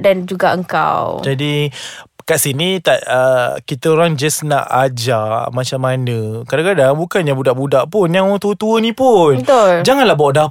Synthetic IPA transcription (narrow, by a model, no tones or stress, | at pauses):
dand͡ʒuɡaʔəŋka̰wd͡ʒadi | kaʔsinit̪aʔəkit̪əoɾaŋd͡ʒasna̰ʔad͡ʒamat͡ʃamanəkadakadaŋbukanɲabudaʔbudaʔpʊnjaŋaŋt̪uət̪uənĩpʊnt̪ʊld͡ʒaŋanlahbaʔda